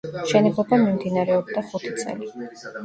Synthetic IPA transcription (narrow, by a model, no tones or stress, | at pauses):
mʃɛnɛbɔbamimd̪inaɾɛɔb̚d̪aχut̪ʰit̪sʼɛ̰li